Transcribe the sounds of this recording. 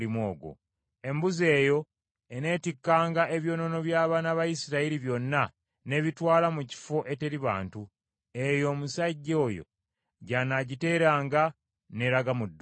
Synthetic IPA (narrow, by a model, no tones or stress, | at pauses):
imoːɡo̰ | e̞mbuze̞ːjo̞ | ene̞ːtikːaːŋɡaʔe̞βjo̞ːno̞no̞βjaːβaːnaβajisiɾaiɾiβjo̞nːa | ne̞βitwaːlamuci̥fo̞ʔe̞te̞ɾiβa̰ːntu | e̞jo̞ːmusaɟːo̞ːjo̞̰ | ɟanaɟite̞ːɾaːŋɡa | ne̞ɾaɡamudː